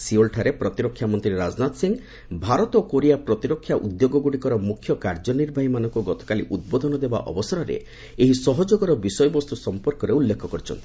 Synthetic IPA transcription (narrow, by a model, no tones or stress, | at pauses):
siolʈʰaɾepɾɔt̪iɾɔkʰːjamɔnt̪ɾiɾad͡ʒnat̪siŋ | bʱaɾɔt̪ɔkoɾijapɾɔt̪iɾɔkʰːjaʔud̪joɡɔɡuɽikɔɾɔmukʰjɔkaɾd͡ʒɔniɾbʱaɦimanɔŋkuɡɔt̪ɔ̥kaliʔud̪̚bod̪ʱɔnɔd̪eba̰ʔɔ̰bɔsɔɾɔɾḛ | eɦisɔɦɔd͡ʒoɡɔɾɔbisɔjɔbɔst̪usɔmpɔɾkɔɾeulːekʰɔkɔɾit͡ʃʰɔ̰nt̪i̥